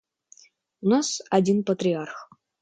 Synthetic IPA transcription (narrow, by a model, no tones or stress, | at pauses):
unasadʲinpɐt̪rʲiarχ